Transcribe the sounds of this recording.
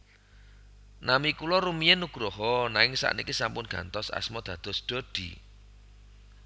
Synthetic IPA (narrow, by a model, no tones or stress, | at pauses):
namikulɔɾumienuɡ̥ɾɔɦɔnaŋɪŋsa̰ʔnikisampʊnɡ̥a̰nt̪ɔsa̰smɔd̪̥ä̤d̪̥ɔ̤sɖ̪̥o̤d̪̥ḭ